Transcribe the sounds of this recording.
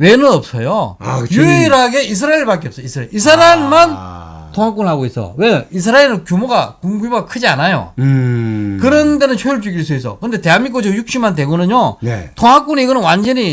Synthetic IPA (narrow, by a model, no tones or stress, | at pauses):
we̞nɯnʌp̚s͈ʌjojjeɾɦaɡe̞is̬ʰɯɾaeɭpak͈eʌp̚s͈ʌisʰɯɾaɭis̬ʰaɾamman | tʰoŋak͈unɭaɡois͈ʌ̰we̞is̬ʰɯɾaeɾɯnkjumoɡakuŋɡumoɡakʰɯd͡ʑianajo̰ | kɯɾʌnde̞nɯnɕʰeuɭt͡ɕ͈uɡiɭs͈ʰois͈ʌ̰kɯnd̪e̞te̞anmːik͈od͡ʑʰojuk̚ɕ͈imandwe̞ɡonɯɲjotʰoŋak͈uniiɡʌnɯnwand͡ʑʌɲi